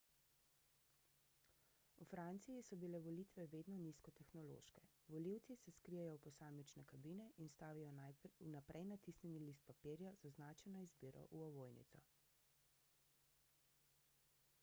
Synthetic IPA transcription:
ufɾant̪sijisɔbilɛʋɔlit̪ʋɛʋeːd̪nɔniskɔt̪ɛxnɔlo̰ːʃkɛ | ʋɔliwt̪sisɛskɾijajɔpɔsaːmit͡ʃnɛkabiːnɛʔinst̪aːʋijɔnapɾʔɛjnat̪isnʲɛnilist̪̚papiɾjazɔznaːt͡ʃɛnɔizbiːɾɔ̰ʔuɔʋoːjnḭt̪sɔ̰

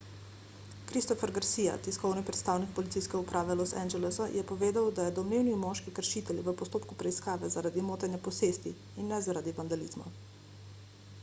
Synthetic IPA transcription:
kɾist̪ɔfɛɾɡaɾsija̰t̪iskɔwnipɾɛt̪st̪aːwnik̚pɔlit̪sijskɛupɾʔaːʋɛlosɛ̰nd͡ʒɛlɛsajɛpɔʋeːd̪awd̪ajɛd̪ɔmneːwniimɔːʃkikəɾʃit̪ɛljḭʋəpɔst̪oːpkupɾɛiskaːʋɛzaɾaːd̪imoːt̪ɛnjapɔseːst̪i | inːɛzaɾaːd̪iʋand̪aliːzma̰

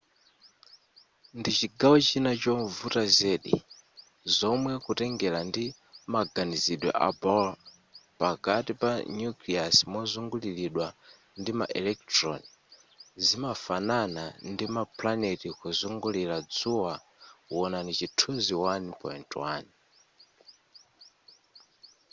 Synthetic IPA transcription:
ndit͡ʃiɡawɔt͡ʃinat͡ʃɔmvutazɛɗḭ | zɔmwɛkutɛŋɡɛlandi | maɡaniziɗwɛ̰ʔa̰bɔl | pakatipanjukliasmɔzuŋɡuliɾiɗwa | ndima̰ʔɛlɛk̚tɾɔni | zimafananandimaplanetikuzuŋɡulilad͡zuwa | wɔnanit͡ʃitʰuziwanpɔ̰intwa̰n

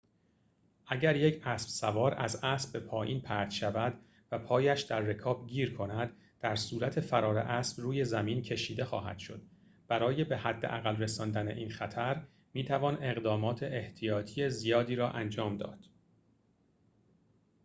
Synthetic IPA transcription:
ʔæɟæɾje̞cʰæsb̥sævɒːɾæ̰zæsbbe̞pʰɒːjiːnpʰæɾt̪ʃævæd̪ | væpʰɒːjæʃd̪æɾːe̞kʰɒːbɟiːɾkʰo̞næd̪̥ːæɾsuːɾæt̪ʰe̞fæɾɒːɾe̞̰ʔæːsb̥ruːje̞zæmiːncʰe̞ʃiːd̪e̞xɒ̰ːɦæ̰d̪̥ʃo̞̰d̪̥ | b̥æɾɒːje̞be̞hæd̪ːe̞̰ʔæɣælre̞sɒːnd̪æne̞ʔiːnxæt̪ʰæɾ | miːt̪ʰævɒːne̞ɣd̪ɒːmɒːt̪ʰe̞ʔeht̪ʰijɒːt̪ʰijezijɒːd̪iːɾɒːʔænd͡ʒɒːmd̪ɒ̰ːd̪̥

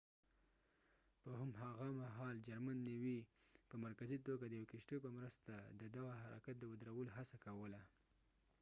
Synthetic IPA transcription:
pəhʊmɦaɣamaɦɑld͡ʒaɾmanːiwipəmaɾkazit̪oɡad̪əjawkɪʃʈojpəmɾəst̪ad̪əd̪aɣahaɾa̰kat̪̚d̪əwəd̪ɾawəloɦasakawəla

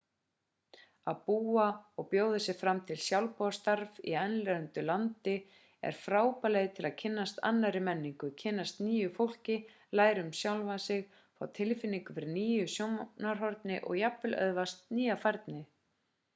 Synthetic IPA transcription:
aðpuːaɔɣpjoːwðɪsɪɣfɾamt̪ʰɪlsjawlpɔast̪aɾvḭɛnlɛɾʏnt̪ʏlant̪ɪ | ɛ̰ɾ̥fɾaːwpalejðɪt̪ʰɪlaðcʰɪnːast̪a̰nːaɾɪmɛnːiŋkʏcʰɪnːast̪niːjʏfowl̥cɪ | laːjɾʏmsjawlvasɪɣ | fa̰wt̪ʰɪlfɪnːiŋkʏfɪɾɪniːjʏsjomnaɾ̥ɦɔɾt̪nɪʔɔ̰ɣjapvɪlœ̰ðvast̪niːjafaɾt̪nɪ

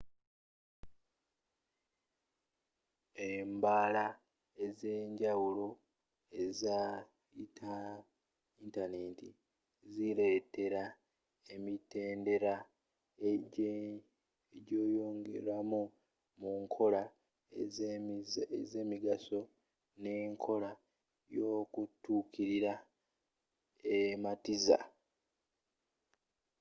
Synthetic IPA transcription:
embaːla | eze̞ːɲɟawulo | eza | itʰa | intane̞ti | ziɾe̞ːte̞ɾa | emite̞ːnde̞ɾa | eɟo̞ːjo̞ːŋɡḛɾwamu | muŋkʰo̞la | ze̞ːmiɡaso̞ | ne̞ːŋkʰo̞la | jo̞ːkutːuːkiɾiɾa | ematiza̰

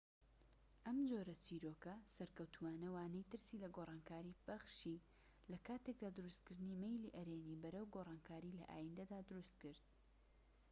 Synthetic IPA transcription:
ʔɐmd͡ʒoːɾɐt͡ʃiːɾoːkɐsɐɾkɐwt̪ʰuaːnɐwaːnɐjt̪ɨɾsilɐɡorˤɑːnkaːɾiːb̥ɐχʃi | lɐkaːt̪e̞k̚d̪aːd̪ɨɾust̪kɨɾd̪ɨniːmejliʔɐɾeːniːbɐɾɐwɡoːrˤɑːnkʰaːɾiːlɐ̰ʔa̰ːjind̪ɐd̪aːd̪ʊɾust̪̚kɨɾd̪̚

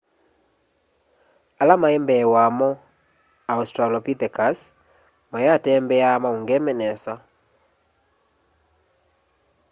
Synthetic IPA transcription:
alamaembɛwamɔ | austɾalɔpit̪ɛkas | majatɛmbɛamauŋɡɛmɛnɛsa

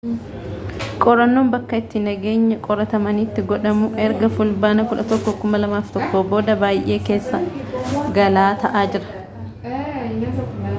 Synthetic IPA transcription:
kʼɔɾɐnːoːmbɐkːɐɪt̪ːɪnɐɡe̞ːɲːɐkʼɔɾɐt̪ɐmɐniːt̪ːɪɡɔᶑɐmʊʔɛɾɡɐfʊlbaːnɐkʊᶑɐt̪ɔkːɔkʊmɐlɐmaːft̪ɔkːoːbo̞ːd̪ɐbaːjʔe̞ːke̞ːsːɐ | ɡɐlaːt̪ɐʔaːd͡ʒɪɾɐ̥

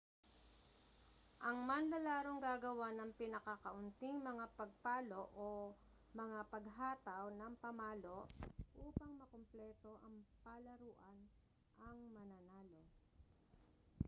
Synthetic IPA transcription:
ʔɐŋmɐnlɐlaːɾoŋɡaːɡɐwanɐŋpɪnɐkɐkɐʔʊnt̪ɪŋmɐŋapɐɡ̚paːlo̞ʔo | mɐŋapɐɡɦaːt̪ɐwnɐŋpɐmaːlo̞ʔʔuːpɐŋmɐkomplɛt̪o̞ʔɐŋpalɐɾuːʔɐn | ʔɐŋmɐnanaːlo̞

